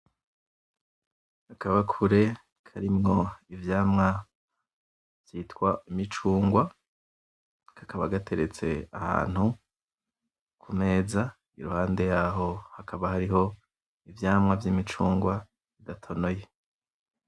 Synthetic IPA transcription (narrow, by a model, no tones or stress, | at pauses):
akʰaβakʰuɾe̞ | kʰaɾimŋo̞ivjaːmŋa | v̥jiːtkwaimit͡ʃuːŋɡwa | kʰḁkʰaβaɡatʰe̞ɾet͡se̞a̰ha̰ːn̥hu | kʰume̞ːza | iɾuhaːnde̞jaːɦo̞hakʰaβahaɾiɦo̞ | ivjaːmŋavjimit͡ʃuːŋɡwa | βidatʰo̞no̞je̞